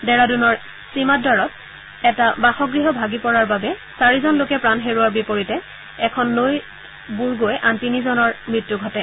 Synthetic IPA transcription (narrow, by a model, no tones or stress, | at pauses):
dɛɹadunɔɹ | simat̚dɔɹɔt | ɛtabaxɔɡɹiɦɔbʱaɡipɔɹaɹbabɛ | saɹizɔnlokɛpɹanɦeɹuaɹbipoɹitɛ | ɛkʰɔnːoj | buɹɡojʔantinizɔnɔɹmɹitːuɡʱɔtɛ